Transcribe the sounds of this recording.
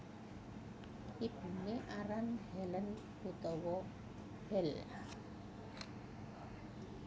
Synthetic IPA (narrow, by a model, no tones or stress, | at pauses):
ib̥uneʔaɾanhɛlən | put̪ɔwɔ | bɛl